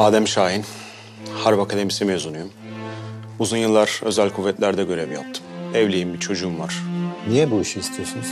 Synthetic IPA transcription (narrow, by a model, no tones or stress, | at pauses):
aːd̪æmʃaːjin | haɾbakʰad̪e̞misimezunujum | uzunjɯlˠːaɾ̥ø̞zælʲkʰuvːɛt̪lʲæɾd̪ɛɟø̞ɾɛvja̰p̚t̪ʰɯ̥mɛvlʲejimbit͡ʃʰo̞d͡ʒuːmvaɾ̥nijɛbuiʃiist̪ʰijosunz